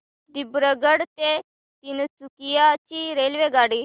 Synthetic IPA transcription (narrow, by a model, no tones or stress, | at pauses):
d̪ibɾəɡəɽt̪e | t̪int͡sukijat͡ɕiɾelʋeɡaɽi